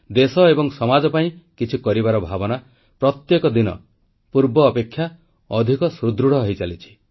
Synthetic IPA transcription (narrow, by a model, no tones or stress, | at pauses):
d̪esɔebɔŋsɔmad͡ʒɔpaĩkit͡ʃʰikɔɾibaɾɔbʱabɔna | pɾɔt̪jekɔd̪inɔ̰ | puɾbɔːpekʰːja | ɔd̪ʱikɔsɾud̪ɾuɽ̤ɔɦɔjt͡ʃalit͡ʃʰi̥